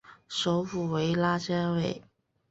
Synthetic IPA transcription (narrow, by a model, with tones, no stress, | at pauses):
ʂo˧˥ʊfu˨˩we˧˥ɪla˥t͡ɕa˥we˥˩ɪ